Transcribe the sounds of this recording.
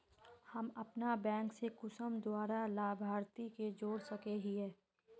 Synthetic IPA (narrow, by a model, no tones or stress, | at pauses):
hɐmɐpnabɛ̃ːŋksekʊsəmd̪waːɾalaːbʱaːɾt̪iked͡ʒoːɽsɐkeɦiɛː